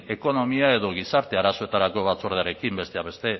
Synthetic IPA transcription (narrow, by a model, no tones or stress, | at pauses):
e̞ko̞no̞miae̞ðo̞ɣ̞isaɾt̪e̞aɾaso̞e̞t̪aɾako̞βat͡soɾðeaɾe̞kimbe̞st̪e̞aβe̞st̪e̞